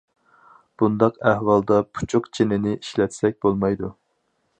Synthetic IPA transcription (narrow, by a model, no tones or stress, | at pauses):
b̥und̪ɑqæhwɑlˠd̪ɑpʰu̥t͡ʃʰʊqt͡ʃʰenɪnɪʔiʃlɛt̪ʰɪ̥sɛk̚ʲbolˠmɑjd̪u